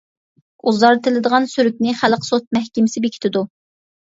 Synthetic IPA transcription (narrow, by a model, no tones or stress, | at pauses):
uzɑɾt̪ʰɪlɪd̪əʁɑnsyɾyk̚ʲnɪχælqʰsot̪̚mɛhkʲɪmɪsɪbekʲʰt̪ʰɪd̪u